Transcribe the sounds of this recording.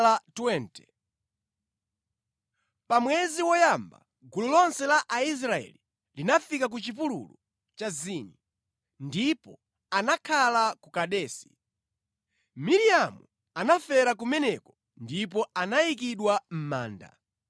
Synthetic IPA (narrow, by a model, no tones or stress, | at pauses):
latwɛntɛ | pamwɛziwɔjamba̰ | ɡululɔnsɛlaʔais̬ɾaɛ̰li | linafikak̬ut͡ʃip̬ulṵlu | t͡ʃaziːni | ndipɔ | anakʰalakukaɗɛːsi̥ | miɾijamṵ | anafɛɾak̬umɛnɛkɔ | ndipɔanajik̬iɗwam̩maːnda̰